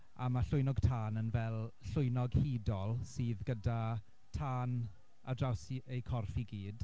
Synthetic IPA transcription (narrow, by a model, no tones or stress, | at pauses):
amaɬʊɨnɔɡtʰaːnənvɛlˠɬʊjnɔɡhiːdɔlˠsiːðɡəda | tʰaːn | adrawsiejkʰɔrfiɡiːd̥